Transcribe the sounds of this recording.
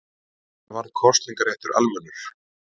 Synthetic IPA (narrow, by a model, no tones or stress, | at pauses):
θavaɾðkʰɔrt̪liŋkaɾɛht̪ʏɾa̰lmɛnːʏɾ̥